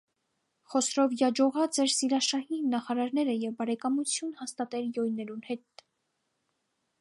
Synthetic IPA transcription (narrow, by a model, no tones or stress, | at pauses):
χɔsɾɔvjɑd͡ʒɔʁɑt͡sɛɾsiɾɑʃɑhinɑχɑɾɑɾnɛɾəjɛvbɑɾɛkɑmut͡sʰjunhɑst̪ɑt̪ɛljɔjnɛɾunhɛt̪